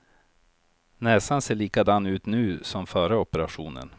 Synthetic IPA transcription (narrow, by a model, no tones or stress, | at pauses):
nɛːsanseːɭiːkad̪anːʉ̟ːt̪nʉ̟ːsɔmfœːɾəɔpəɾaɧṵːnə̰n